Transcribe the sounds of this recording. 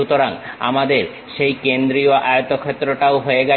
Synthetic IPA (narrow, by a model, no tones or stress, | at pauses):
ut̪oɾaŋa̰mad̪eɾ | ʃejkend̪ɾioʔajot̪okʰet̪ːɾoʈaoɦoeɡa